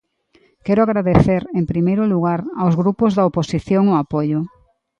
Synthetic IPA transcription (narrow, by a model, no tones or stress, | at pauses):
kɛɾoaɣɾaðeθeɾempɾimejɾʊluɣ̞aɾawzɣɾupozðɐoposiθjoŋoapoʎʊ